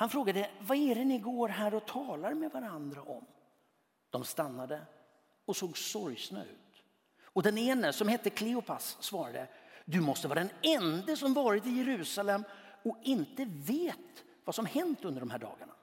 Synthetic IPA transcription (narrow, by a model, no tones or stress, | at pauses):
hanfɾoːɡad̪əvaɛɾɛnɪɡoːɾɦæːɾɔt̪ʰɑːlaɾmɛd̪vaɾand̪ɾaʔɔ̰m | d̪̥ɔmst̪anːad̪ə | ɔsoːɡsɔɾjsna̰ʉ̟̰ːt̪ | ɔd̪ɛneːnəsɔmhɛt̪ːəkʰlɪʊpʰasːvɑːɾad̪ə̰d̪ɵmɔst̪əvɑːɾad̪ɛnɛnd̪əsɔmvɑːɾɪt̪ɪjɛɾʉ̟ːsalɛmː | ɔkɪnt̪əveːt̪ | vasɔmhɛnt̪ɵnd̪əɖɔmhæːɖɑ̰ːɡaɳa